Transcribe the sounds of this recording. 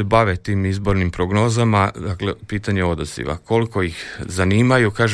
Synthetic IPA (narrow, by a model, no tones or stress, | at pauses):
ebaʋet̪iːmizbo̞ɾnimpɾoɡno̞ːzamad̪aklepiːt̪aɲeo̞d̪oz̥ḭʋa̰ko̞liko̞jixzaniːmajukaːʒ